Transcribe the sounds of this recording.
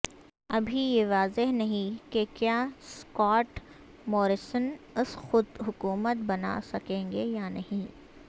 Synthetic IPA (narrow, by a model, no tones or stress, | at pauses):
ɐbʱijeʋaːzeɦnɐɦĩkekjaːskɔːʈ | mɔːɾɪsən | ɪsxʊd̪ɦʊkuːmət̪bɐna̰sɐkẽːŋɡejanɐɦĩː